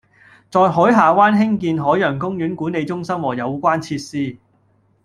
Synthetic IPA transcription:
t͡sɔː˨˧jɦɔː˨˥jɦaː˨waː˥nɦɪ˥ŋkiː˧nɦɔː˨˥jœː˨˩ŋkʊ˥ŋjyː˨˥nkuː˨˥ne˨˧jt͡sʊ˥ŋsɐ˥mwɔː˨˩jɐ˨˧wkʷaː˥nt͡sʰiː˧t̚siː˥

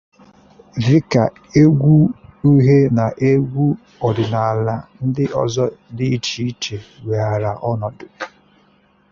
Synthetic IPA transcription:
vɪ˦ka˨ | e˦ɡʷu˦i˦ɦe˦na˨ʔe˦ɡʷu˦ | ɔ˨dʊ˨na˨a˨la˨n̩˦dɪ˦ʔɔ̰˨zɔ˦di˦t͡ʃi˦i˦t͡ʃe˨wʷe˨a˨ɾa˨ʔɔ˦nɔ˨dʊ˨

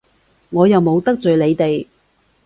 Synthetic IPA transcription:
ŋɔː˨˧jɐ˨wmo˨˧wt̪ɐ˥k̚t͡sɵ˨ɥle˨˧jt̪e˨j

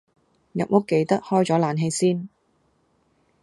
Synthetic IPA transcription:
jɐ̰˨k̚mʊ˥kːe˧jt̪ɐ˥k̚hɔː˥jt͡ʃɔː˨˥laː˨nɦe˧jsiː˥n

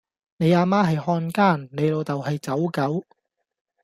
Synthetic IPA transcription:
ne˨˧jaː˧maː˥ɦɐ˨jhɔː˧nkaː˥˩nne˨˧jlo˨˧wt̪ɐ˨wɦɐ˨jt͡sɐ˨˥wkɐ˨˥w

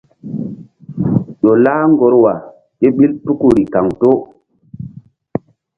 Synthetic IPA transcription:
ɗo˨laː˦ŋɡo˨˦ɾwa˨ | ke˦ɓi˦lpu˦ku˦ɾi˨ka˨ŋto˦

